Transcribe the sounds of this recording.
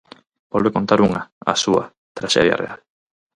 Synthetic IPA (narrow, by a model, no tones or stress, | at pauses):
b̥olβekont̪aɾuŋaa̰sua̰ | t̪ɾaʃeðja̰real